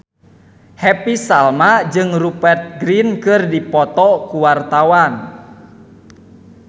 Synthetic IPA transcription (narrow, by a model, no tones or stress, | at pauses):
hɛpisalmad͡ʒɨŋrupɛrt̪̚ɡɾinkɨrdipɔt̪ɔkuwart̪awan